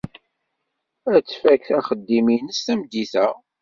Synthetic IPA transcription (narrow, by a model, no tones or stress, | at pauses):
æt͡sːfækθæχəd̪ːiminəstæmd̪iθæ